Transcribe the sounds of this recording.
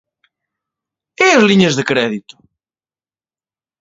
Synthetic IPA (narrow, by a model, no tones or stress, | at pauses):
ɛɐzliɲɐzðɨkɾɛðit̪ʊ̥